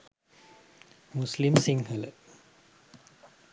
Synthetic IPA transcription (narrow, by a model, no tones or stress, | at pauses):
muslimsiŋhəl